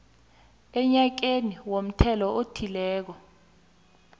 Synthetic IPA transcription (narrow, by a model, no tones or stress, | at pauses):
ɛɲak̬eniwom̩tʰɛlɔʔotʰilɛːk̬ɔ